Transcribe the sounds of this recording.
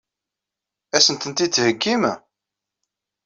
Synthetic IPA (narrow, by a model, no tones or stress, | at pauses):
æsənt̪ənt̪it͡sːhəɡːim